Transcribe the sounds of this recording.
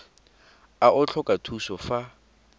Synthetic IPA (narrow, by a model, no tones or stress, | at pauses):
aʔʊt͡ɬʰɔkʼatʰusɔfa